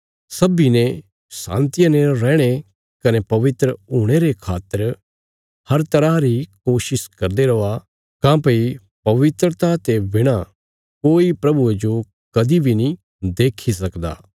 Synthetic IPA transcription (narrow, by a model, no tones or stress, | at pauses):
sɐbine | sã̰ːnt̪ɪjãneɾɛːɽ̃e | kɐnepɐʋɪt̪ɾəɦuːɽ̃eɾekʰaːt̪ːəɾ | hɐɾt̪ɐɾaɾikoːʃɪskɐɾd̪eɾɐa | kãːpi | pɐʋɪt̪ɾət̪ʰat̪ebɪɽ̃a | koːipɾɐbued͡ʒo | kɐd̪ibʱinĩ | d̪eːkʰis̬ɐkd̪a̰ː